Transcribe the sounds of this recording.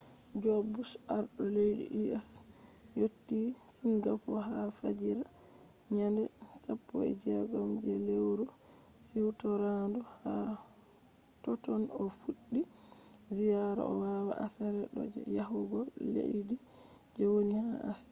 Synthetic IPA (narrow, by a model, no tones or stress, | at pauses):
d͡ʒɔbusaɾɗɔlejdḭʔiɛs | jotːi | sunɡapːɔɦafad͡ʒiɾa | ɲandɛsapʰːɔɛ̰d͡ʒɛɡɔmd͡ʒɛlewɾɔ | siwtɔɾandɔha | tɔtɔnɔfuɗːi | zijaɾa̰ɔwawa̰ʔasaɾɛɗɔ̰d͡ʒɛ̰jahuɡɔlḛʔdi | d͡ʒɛwonihaas